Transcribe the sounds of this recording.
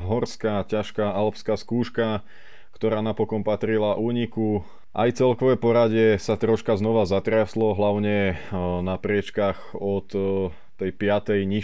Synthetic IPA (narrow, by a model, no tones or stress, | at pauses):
ɦɔɾskacaʃkaːalpskaːskuːʃka | kt̪ɔɾaːnapɔkɔnpat̪ɾilaʔuːɲiku | ʔa̰jt͡sɛlkɔʋɛpɔɾaɟɪɛsat̪ɾɔʃkaznɔʋazat̪ɾɪaslɔɦlaʊɲɛnapɾɪɛt͡ʃkaxɔt̪ː | ɛjpɪat̪ɛjɲi